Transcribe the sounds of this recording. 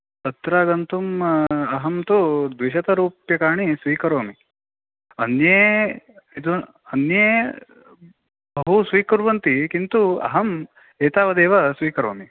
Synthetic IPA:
t̪ɐt̪ɾaːɡɐnt̪umɐɦɐmt̪ud̪ʋiʃɐt̪ɐɾuːpjɐkaːɳisʋiːkɐɾoːmi | ɐnjeː | id̪u | ɐnjeː | bɐɦusʋiːkuɾʋɐnt̪ikint̪uɐ̰ɦɐm | eːt̪aːʋɐd̪eːʋɐsʋiːkɐɾoːmi

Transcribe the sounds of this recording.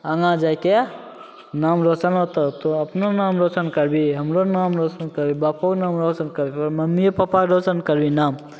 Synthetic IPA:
əŋãd͡ʒajke | namɾot͡ʃənɦot̪ot̪oəpnonamɾot͡ʃənkəɾbiɦəmɾonamɾot͡ʃənkəɾbibapoknaːmɾot͡ʃənkəɾbipəɾməmːiepəpakɾot͡ʃənkəɾbinaːm

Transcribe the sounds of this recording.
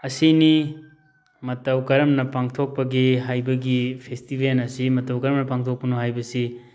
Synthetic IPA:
ɐsini | mɐtɐwkɐɾɐmnɐpaŋtʰok̚pɐɡiɦajbɐɡipʰestibʱenɐsimɐtɐwkɐɾɐmnɐpaŋtʰok̚pɐnuɦajbɐsi

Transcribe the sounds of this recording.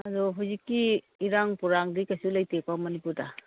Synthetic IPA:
ɐdɔɦawzikːiː | ɾaŋpuɾaŋdikajsulajtek̚pamɐnipuɾda

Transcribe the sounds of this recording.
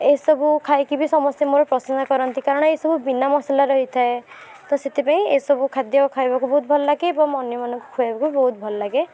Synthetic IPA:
ejsɔbukʰajkibisɔmɔsjamoɾɔpɾɔsɔnɔkɔɾɔnt̪ikaɾɔɽ̃ɔesɔbubinamɔsalaɾɔɦit̪ʰae | t̪ɔset̪ʰipaĩḛsɔbukʰad̪jɔkɔkʰajbakubɔɦut̪̚bʱɔlɔlaɡeːbɔŋɔnjɔmanɔŋku̥kʰuabakubibɔɦut̪̚bʱɔlɔlaɡe

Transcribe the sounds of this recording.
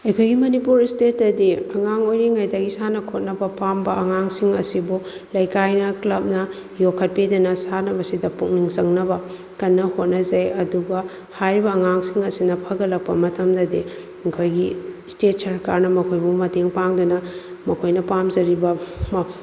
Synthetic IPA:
ɐjkʰojɡimɐnipuɾistetɐdiɐŋaŋojɾiŋajdɐɡisanɐkʰot̚nɐbɐpambɐɐŋaŋsiŋɐsibulɐjkajnɐklɐp̚nɐ | jokʰːɐt̚pidɐnɐsanɐbɐsidɐpuŋ̚niŋzɐŋnɐbɐ | kɐnːɐhot̚nɐzɐjɐduɡɐ | hajɾibɐːŋaŋsiŋɐsinɐpʰɐɡɐlɐk̚pɐmɐtʰɐmdɐdi | kʰojɡistet̚sɐɾkaɾnɐmɐkʰojbumɐteŋpaŋdunɐmɐkʰojnɐpamzɐɾibɐm

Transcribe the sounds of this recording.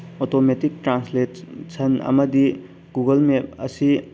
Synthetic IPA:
otometik̚tɾansletsʰɐnɐ̰mɐdi | ɡuɡɐlmep̚ɐsi

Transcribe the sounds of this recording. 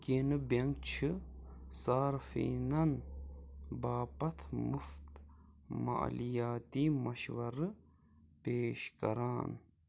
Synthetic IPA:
kenɨbɐŋɡt͡ʃʰɨsaːɾfḭːnɐn | baːpɐt̪ʰmuft̪ma̰lijaːt̪iːmɐʃʋɐɾɨ | peːʃkɐ̰ɾaːn

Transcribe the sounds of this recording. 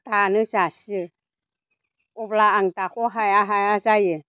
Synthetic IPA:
t̪anɨt͡ʃasi | oblaaŋt̪axoɦajaɦajat͡ʃajə

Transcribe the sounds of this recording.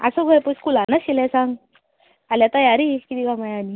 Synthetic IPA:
a̰soɡʱəjpuskulanəɕilɛsaŋɡ | aljat̪əjaɾikit̪iɡamajani

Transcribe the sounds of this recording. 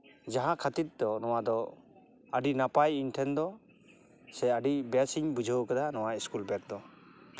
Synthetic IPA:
d͡ʒaɦãkʰat̪it̪̚d̪ɔnɔwad̪ɔ | əɖinapajinʈʰɛnd̪ɔ | sɛaɖibɛsiɲbud͡ʒʱəwkad̪anɔwaiskulbɛk̚d̪ɔ

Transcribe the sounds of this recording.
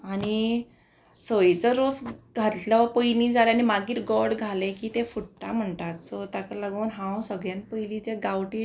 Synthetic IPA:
añi | səit͡səɾosɡʱat̪laʋəpəjlĩd͡zaleanimaɡiːɾɡɔɽɡʱalekiːt̪efuʈʈ̪am̤əɳt̪at̪sɔt̪akalaɡəːnɦãwsəɡɭjãnpəjlĩt̪jaɡawʈi

